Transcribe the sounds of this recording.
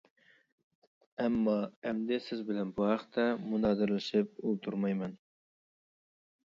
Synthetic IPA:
æmːɑæmd̪ɪsɪzbɪlɛnbuhæqt̪ʰæmunɑd̪ɪɾlɪʃɪp̚ulˠt̪ʰuɾmɑjmɛn

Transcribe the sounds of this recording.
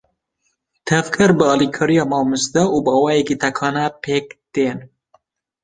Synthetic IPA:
t̪ʰɛvkʰɨɾbɨɑlikʰɑːɾijɑːmɑmɨst̪ɛubɑwɑːjekit̪ʰɛkʰɑːnɛpʰeːkt̪eːn

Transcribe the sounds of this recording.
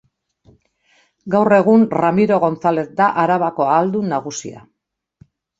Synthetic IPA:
ɡawre̞ɣunramiɾo̞ɣo̞nt͡sale̞θd̪aʔaɾaβako̞aːld̪unaɣusḭa̰

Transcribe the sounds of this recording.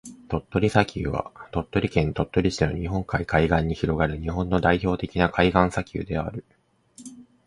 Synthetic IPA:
t̪o̞t̪ːo̞ɾʲisakʲɨ̰ːβa̰t̪o̞t̪ːo̞ɾʲikẽnːit̪o̞t̪ːo̞ɾʲiɕi̥eno̰ɲ̟iɦõ̞ŋkaikaiɡãɲ̟ːiçiɾo̞ɡaɾɯ̟ɲ̟iɦõ̞nːo̞d̪aiço̞ːt̪e̞kʲinakʰaiɡãɰ̃sakʲɯ̰ːd̪e̞a̰ɾɯ̟

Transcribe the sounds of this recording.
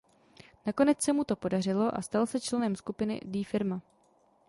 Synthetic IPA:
nako̞nɛt͡ssɛmut̪o̞po̞dar̝ɪlo̞ʔa̰st̪alsɛt͡ʃlɛnɛmskupɪnɪ̰diːfɪɾma

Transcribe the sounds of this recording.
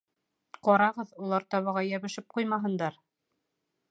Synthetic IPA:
qɒɾɑʁɤðulˠɑɾt̪ɒβɤ̆ʁɑjæβɘ̆ʃɘp̚qujmɑɦɤ̆nd̪ɑɾ

